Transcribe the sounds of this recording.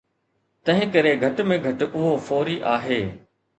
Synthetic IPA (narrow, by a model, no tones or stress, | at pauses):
t̪ɐ̃ɦɪ̃kɐɾeɡʱɐʈmẽɡʱɐʈʔʊɦofoːɾiʔaːɦeː